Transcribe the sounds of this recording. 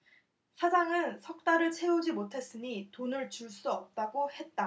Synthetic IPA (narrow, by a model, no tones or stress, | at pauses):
sʰad͡ʑaŋɯnsʰʌk̚t͈aɾɯɭt͡ɕʰe̞ud͡ʑimotʰe̞s͈ɯɲitonɯɭt͡ɕuɭs͈uʌp̚t͈aɡohe̞t̚t͈a